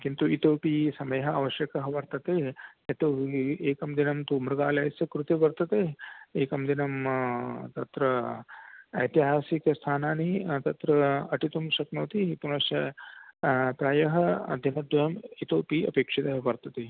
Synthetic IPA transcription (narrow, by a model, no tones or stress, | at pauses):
kint̪uit̪oːpiːsɐmɐjɐɦɐa̰ːʋɐʃjɐkɐɦɐʋɐɾt̪ɐt̪eɐt̪oːeːkɐmd̪inɐmt̪uːmɾɐɡaːlɐjsɐkɾut̪iʋɐɾt̪ɐt̪eːeːkɐmd̪inɐm | t̪ɐt̪ɾɐ | ɐ̰t̪iɦaːsikɐst̪ʰaːnaːnit̪ɐt̪ɾɐɐʈit̪umʃɐknoːt̪ipunɐʃɐ | pɾaːjɐɦɐd̪ʱinɐd̪ɐjɐmit̪oːpiːɐ̰peːkʂit̪ɐɦɐʋɐɾt̪ɐt̪e